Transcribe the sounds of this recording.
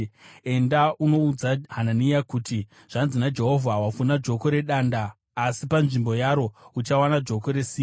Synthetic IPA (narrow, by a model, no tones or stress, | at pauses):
e̞ndaʔuno̞ud͡zaɦananijakuti | ʐ̥anzinad͡ʒe̞ɦo̞vʱawafunad͡ʒo̞ko̞ɾe̞ɗaːndaː | sipanʐimbo̞jaɾo̞ut͡ʃawanad͡ʒo̞ko̞ɾe̞siː